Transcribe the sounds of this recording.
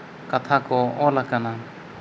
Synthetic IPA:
kat̪ʰakɔɔlakana

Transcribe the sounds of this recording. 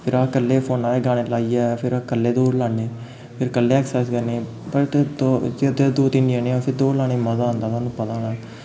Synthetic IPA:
pʰɪɾaːkəlːeːpʰoːnaːɾeːɡãːɽ̃eːlaːiːɛːpʰɪɾakəlːeːd̪oːɾlaːneː | pʰɪɾkəlːeːɛːksɛːskəɾneː | pəɾt̪ed̪od͡ʒet̪ed̪oːt̪ɪɳɖijãːnẽːpʰɪɾd̪oːlaːɽ̃eːməzaːõnd̪aːt̪ːnũːpət̪ãːlaːɡ

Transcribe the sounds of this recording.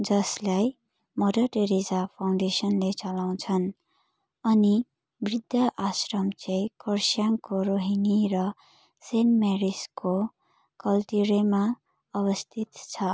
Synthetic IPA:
d͡zʌslaj | mʌdʌʈeɾizapʰaw̃ɳɖesʌnlet͡sʌlaw̃t͡sʰʌn | ʌni | brid̪ʱːʌʔasrʌmt͡sʌjkʌrsjaŋkoɾoɦiniɾʌ | senmeɾisko | kʌlʈiɾema | ʌβʌst̪ʰit̪t͡sʰʌ

